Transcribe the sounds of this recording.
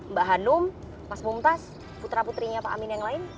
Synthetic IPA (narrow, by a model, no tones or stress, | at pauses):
mbaʔɦanʊm | masbumt̪as | put̪ɾaput̪ɾiɲapaʔa̰minjaŋlaɪn